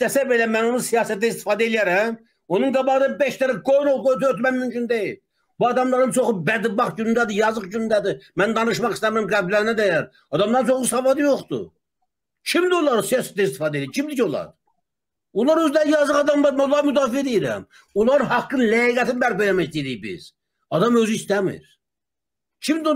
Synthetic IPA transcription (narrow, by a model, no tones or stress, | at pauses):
æsæbelæmæno̞nusijɑːsæt̪ːæist̪i̥fɑːd̪æelijæɾæm | onuŋɡɑbɑʁɯnɑbeʃt̪æɾæɡojnoɡojt̪yøt̪mæmymt͡ʃʰynd̪eji | buɑd̪ɑmlˠɑɾɯnt͡ʃʰoχubæd̪ibɑχɟynynd̪æd̪ɨjɑzɯχɟynynd̪æd̪ɪmænd̪ɑnɯʃmɑχist̪æɾmɾæmɡæblːæɾnæd̪æjæɾ | ɑd̪ɑmd̪ɑɾnt͡ʃʰoχusɑvɑd̪ɯjoχt̪ṵ | cʰimd̪iolˠɑɾɯsijɑsɛ̥t̪ɛist̪ifɑːd̪ed̪iɾcʰimd̪icʰolˠɑ̰ɾ | olˠɑɾøzd̪æɾjɑzɯʁɑd̪ɑmlˠɑɾmænolˠɑɾmyd̪ɑːfied̪ijiɾæ̰m | olˠɑɾɯnhɑkːɯnlæiɡæt̪ʰinbæɾpelæmæçd̪ed̪ijbḭz̥ | ɑd̪ɑmø̞zyːst̪æmḭɾ | cʰimd̪i